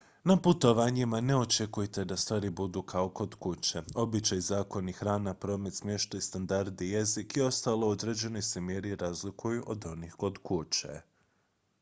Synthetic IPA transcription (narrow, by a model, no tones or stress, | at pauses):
naput̪o̞ʋaːɲimane̞o̞t͡ʃekujt̪e̞d̪ast̪ʋaːɾibud̪ukʰaoko̞d̪kut͡ʃeo̞bit͡ʃajzaːko̞nixɾaːnapɾo̞ːmet̪smje̞ʃt̪aist̪and̪aɾd̪ije̞zikio̞st̪aːlˠo̞od̪ɾed͡ʒe̞nojsemje̞ɾiɾazlikʰujuʔo̞d̪o̞nixko̞d̪kut͡ʃḛ